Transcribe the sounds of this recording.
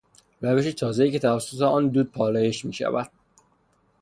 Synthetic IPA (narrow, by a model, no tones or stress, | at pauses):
ɾæve̞ʃet̪ʰɒːzeiːcʰe̞t̪ʰævæsːot̪ʰeɒːnd̪uːd̪̚pʰɒːlɒːjeʃmiːʃæ̰væd̪̥̚